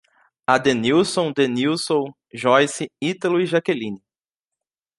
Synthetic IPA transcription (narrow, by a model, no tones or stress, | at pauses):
ad̪eniwsõw̃d̪eniwsõw̃ | ʒɔjsiit̪elʊiʒakelĩni